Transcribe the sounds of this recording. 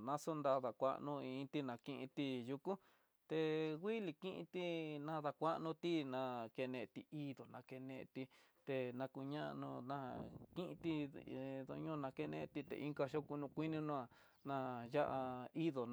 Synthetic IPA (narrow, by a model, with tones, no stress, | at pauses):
nã˧so˦nd̪a˧ða˨kʷa̰˦ʔnũ˧ĩ˧t̪i˦nã˧kĩ˧ʔĩ˧t̪i˧ju˧kũ˦ | t̪e˧ɣʷi˦li˧kĩ˦ʔḭ̃˧t̪i˦nã˧ða˧kʷa˦ʔnũ˧t̪i˦nã˧ke˧nẽ˧t̪i˧i˦ðo˨nã˧ke˧nẽ˧ʔt̪i˧ | t̪e˧nã˧ku˧ɲã˦ʔnũ˧nã̰˦˨kĩ˦ʔĩ˧t̪i˧ðo̰˧ɲõ˦˧nã˧ke˦˧nḛ̃˧ʔt̪i˧t̪ḛ˨ʔi˦ŋka˧ʃo˦ku˧nũ˧kʷi˦nĩ˦nũ˧a˧˨ | nã˧˨ja˦ʔa˧i˦ðo˨